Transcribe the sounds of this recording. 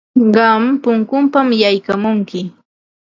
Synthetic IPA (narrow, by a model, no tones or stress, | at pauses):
ɢɑmpʊŋkʊmpamjajkamʊŋkɪ